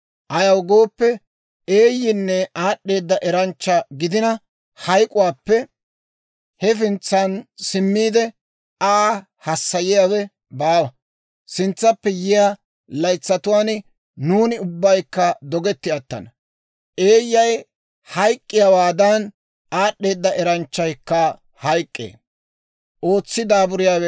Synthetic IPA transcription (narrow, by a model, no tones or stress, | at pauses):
ʔɐjɐwɡo̞ːpːɛ | eːjːɪnːɛaːɗːe̞ːd̪ːɐʔɛɾɐnt͡ʃːɐɡɪd̪ɪnɐ | hɐjkʼʊwaːpːɛ | hɛfɪnt͡sːɐnsɪmːiːd̪ɛ | a | hɐsːɐjɪjawɛ | baːwɐ | sɪnt͡sːɐpːɛjɪjaː | lɐjt͡sːɐt̪ʊwaːn | nuːnɪʊbːɐjkːɐd̪ɔɡɛt̪ːɪɐt̪ːɐ̰nɐ | ʔe̞ːjːɐj | hɐjkʼːɪjawaːd̪ɐn | aːɗːe̞ːd̪ːɐʔɛɾɐnt͡ʃːɐjkːɐ | hɐjkʼːḛː | ʔo̞ːt͡sːɪd̪aːbʊɾɪjaːwɛ